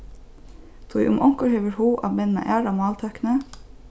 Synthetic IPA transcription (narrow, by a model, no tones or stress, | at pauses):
t̪ʰṵʔʊ̰mʔɔŋkəɾheːʋəɾhuːʔɑ̰ːʋmɛnnɑ̰ʔæːɖɑmɑːlt̪ʰœknə